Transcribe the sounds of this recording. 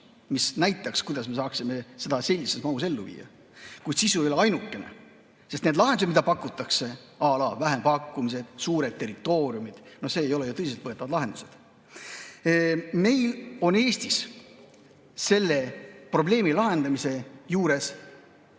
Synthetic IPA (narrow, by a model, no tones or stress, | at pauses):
misnæjt̪ːˑɑkskujd̪ɑsme̞sɑːksime̞se̞d̪ɑse̞lʲːise̞smɑuse̞lːuvḭːjɑ̰ | kujd̪sisuejoleɑjnukːˑe̞nḛ | sest̪ned̪lɑɦend̪̥smid̪ɑpɑkːˑut̪ːˑɑkse̞ɑːlɑːvæɦempɑkːumis̬e̞d̪̥suːɾe̞d̪̚t̪ːe̞rit̪ːˑo̞ːɾiumid̪̥no̞hse̞ːjo̞le̞jut̪ɤis̬elt̪vɤ̞e̞t̪ːˑɑvɑd̪lɑɦe̞nd̪̥u̥se̞d̪̥ | me̞jlo̞ne̞ːst̪is | se̞lːe̞pro̞ble̞ːmilɑɦe̞nd̪̥ɑmise̞juːɾe̞s